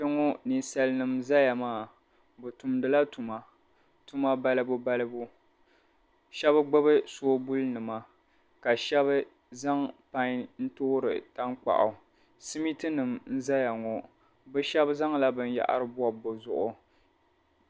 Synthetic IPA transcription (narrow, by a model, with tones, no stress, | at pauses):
tɛ˦ŋo˦ni˨sa˦lnɨ˨mza˦ja˨maː˦˨ | bʊ˨tu˨mdɨ˨la˦tu˨ma˨ | tu˦ma˦ba˦lɨ˦bʊ˦ba˦lɨ˦bʊ˦ | ʃɛ˦βɨ˦ɡ͡bʊ˦bɨ˦so˦bu˦lnɨ˨ma˨ | ka˨ʃɛ˦βɨ˦ | za˦ŋpa˦ɲ˦n̩˦toː˦ɾɨ̰˨ta˦ŋk͡pa̰˨ʔʊ˨ | si˦mi˦tɨ˦nɨ˨mn̩˦za˦ja˨ŋɔ˨ | bɨ˦ʃɛ˦bza˦ŋla˦bɨ˦nja̰˨ʔa̰˦ɾɨ˦bʊ˦a˨bo˨zʊ̰˨ʔʊ˨